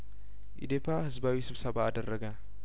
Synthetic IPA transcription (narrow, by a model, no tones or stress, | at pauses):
ʔḭd̪epʰahɨzbawisɨβsɐβaːd̪ərːəɡa